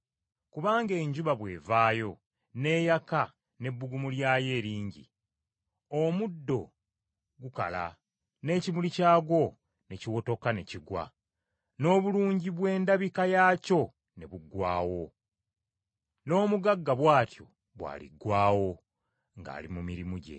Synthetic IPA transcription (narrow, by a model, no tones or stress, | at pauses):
kuβaːŋɡe̞ːɲɟuβaβwe̞ːvaːjo̞ | ne̞ːjaka | ne̞bːuɡumuljaːje̞ːɾiːɲɟḭ | omudːo̞ | ɡuka̰la̰ | ne̞ːcimulicaːɡo̞ | ne̞ciwo̞to̞kane̞ciɡwa̰ | no̞ːβuluːɲɟiβwe̞ːndaβikajaːco̞ | ne̞βuɡwaːwo̞ | no̞ːmuɡaɡːaβwaːtjo̞̰ | βwa̰ːlḭɡwaːwo̞ | ŋɡa̰ːlimumiɾimuɟe̞̰